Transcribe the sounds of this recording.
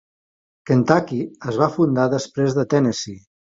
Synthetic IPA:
kent̪akiəzβ̞afund̪aðəspɾezðət̪ɛnesi

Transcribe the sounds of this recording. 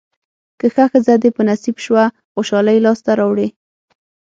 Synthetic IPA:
kəxaxəzad̪epənasibʃwa | xoʃɑlajlɑst̪aɾɑwɽe

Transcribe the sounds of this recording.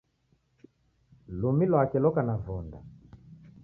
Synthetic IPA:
lumilwakɛlɔkanavɔnda̰

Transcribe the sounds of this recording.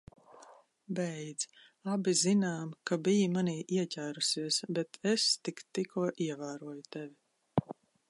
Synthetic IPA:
bɛjd̪z̥ | abizinaːmkabijimaniːʔiɛcʲæːɾusiɛsbɛt̪ʰɛst̪ikt̪ːikuɔʔiɛvaːɾuɔjut̪ɛvʲi

